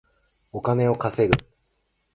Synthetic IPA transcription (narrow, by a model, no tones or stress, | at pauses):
o̞kane̞o̞kase̞ɾɯ̟